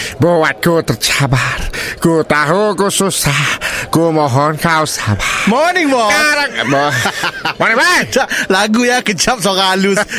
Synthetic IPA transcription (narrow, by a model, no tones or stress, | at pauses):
bowat̪̚kut̪ərt͡ʃabarkut̪aɦukususahkumɔɦɔnkausabamɔniŋbɔaɾabɔ | mɔniŋbat͡ʃalaɡujakət͡ʃap̚sokalus